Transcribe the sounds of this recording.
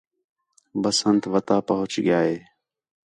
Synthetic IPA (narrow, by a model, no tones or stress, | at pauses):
bəsənt̪ʋət̪aːpəɦʊt͡ʃɡjaːɦeː